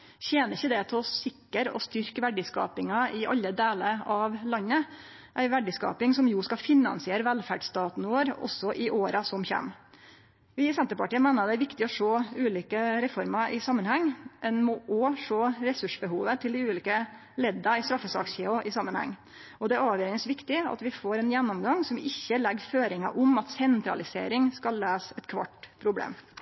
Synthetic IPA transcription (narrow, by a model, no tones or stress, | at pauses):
çeːnəɾɪçəd̪ɛt̪ʰɛɔsɪkːəɾɔ̰st̪ʏɾkəʋæɖɪskɑ̰ːpɪŋɑɪʔɑ̰lːəd̪eːləɾɑʋlɑnːə | ʔæɪʋæɖɪskɑ̰ːpɪŋsɔmjuːskɑfɪnːɑ̰nsɪeːɾəʋælfæɖst̪ɑːt̪noːɾɔ̰sɔʔɪʔoːɾɑsɔmçæ̰m | ʋɪɪsɛnt̪əɾpɑʈiːəmæɪnəɾɑd̪ɛæɾʋɪkt̪ɪɔʂoːʉːliːkəɾɛfɔɾmɑʔɪsɑmːənhɛŋːɛnmɔʔɔʂoːɾɛsʉʂbəhuːʋət̪ʰɪld̪ɪʉːliːkə | lɛd̪ːɑɪst̪ɾɑfːəsɑ̰ːksçeːʊʔɪsɑmːənhɛ̰ŋː | ɔd̪ɛæɾɑːʋjøːɾɪsʋɪkt̪ɪɑ̰t̪ʋɪfoːɾɛnjɛnːɔmɡɑŋsɔmɪçːəlɛɡføːɾɪŋɑ̰ʔʊmɑt̪sɛnt̪ɾɑ̰lɪsḛːɾɪŋskɑlːæːsɛt̪kʰʋɑ̰ʈːpʰɾʊblḛːm